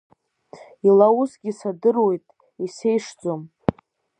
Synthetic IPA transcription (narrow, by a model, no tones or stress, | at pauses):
ilausɡʲisadɨrwe̞jtʼ | ise̞jʂd͡zʼom